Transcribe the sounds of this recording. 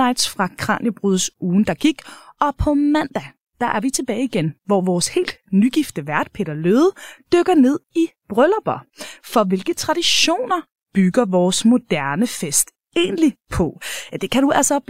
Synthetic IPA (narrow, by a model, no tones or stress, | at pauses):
ɑ̈ɪd̥sfʁɑ̈kʰʁɑ̰̈njəb̥ʁyðˠsuːn̩d̥ɑ̈ɡ̥iɡ̥ɒ̽pʰɒ̽mæn̰d̥æ | d̥ɑ̈ʔæɐʋit͡sʰe̝b̥ɛːɪiɡ̥enʋɒʋɒːshe̝̰ːld̥nyɡ̥ifd̥əʋæɐd̥̚pʰe̝̰ːɾɐløːðˠd̥øɡ̥ɐne̝ð̞̰ˠib̥ʁœlɐb̥ɒfɒ̽ʋe̝lɡ̥ət͡sʰʁɑ̈d̥iɕo̝̰ːnɐ | b̥yɡ̥ɐʋɒːsmo̝d̥æɐnəfesd̥ | e̝̰ːnlipʰɒ̽d̥e̝kʰæɾuæl̰sɒ